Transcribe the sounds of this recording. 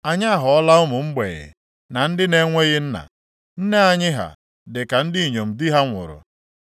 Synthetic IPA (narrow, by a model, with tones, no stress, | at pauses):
a˨ɲa˦˨ɦɔ˨˦la˦ʊ˦mʊ˨ŋ͡m̩˦ɡ͡bḛ˨ɣɪ̰˨ | na˨n̩˦dɪ˦ne˦ŋʷe˦ɣɪ˦n̩˦na̰˨ | n̩˦ne˦a˦ɲɪ˦ɦa̰˨ | dɪ˨ka˨n̩˦dɪ˦i˨ɲo˨m̩˨di˦ɦa˦ŋʷʊ̰˨ɾʊ̰˨